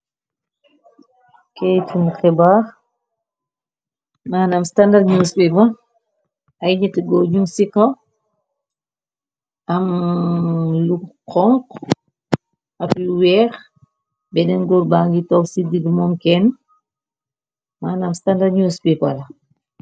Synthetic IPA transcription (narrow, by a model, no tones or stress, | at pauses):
kɛjtunkɛbaː | maːnamstandaɾɲuːspɛpɐ | ɐjɲɛtiɡɔɲuŋsikɐ | ɐm | luqɔŋk | ɐpluwɛːx | bɛdɛnɡɔɾbaːŋɡitɔsididmɔːmkɛn | maːnamstandaɾɲuːspipɐlɐ